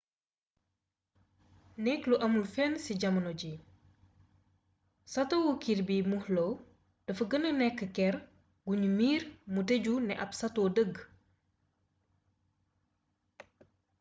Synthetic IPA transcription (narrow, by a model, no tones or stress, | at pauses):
nɛkluʔɐmulfɛnsiɟɐmɐnoɟi | sɐtowokirbiːmuhlo | d̥ɐfəɡənənɛkːəkɛɾ | ɡuɲumiːɾmuteɟunɛʔɐpsɐtoːdəɡ